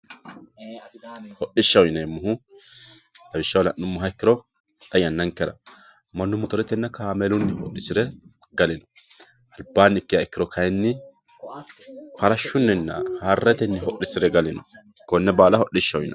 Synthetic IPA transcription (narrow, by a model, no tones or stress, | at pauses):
hɔɗɪʃːɐwjɪnemːʊɦʊ | d̪ɐbɪʃːɐwlɐʔːʊmːʊɦɐɪkːɪɾɔ | t̪ʼɐjɐnːɐŋkːɛɾɐ | mɐnːʊmɔt̪ɔɾɛt̪ːɛnːɐkaːmɛlʊnːɪhɔʔɪsɪɾɛɡɐlɪnɔ̥ | ʔɐlbaːnːɪkːɪjaɪkːɪɾɔkʰɐjɛnːɪ | fɐɾɐʃːʊnːɛnːɐhaːrːɛt̪ɛnːɪɦɔʔːɪsɪɾɛɡɐlɪnɔ | kɔnːɛbaːlɐhɔɗɪʃːɐwɪ̰nɐ